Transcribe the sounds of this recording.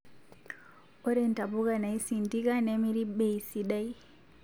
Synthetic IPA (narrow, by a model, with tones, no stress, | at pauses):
o˦ɾɛnta˨bu˦ɡa˨na˨i˦si˨ndi˦ka˦ne˦mi˦ɾi˦ɓeisi˨ɗa˦j